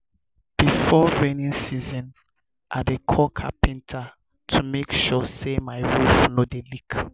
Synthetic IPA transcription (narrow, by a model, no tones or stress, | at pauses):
b̥ifɔɹɛnĩnsizɔ̃n | ʔadekʰɔkʰa̰pĩntʰa | tʰumekʃɔsemajɹuflodelik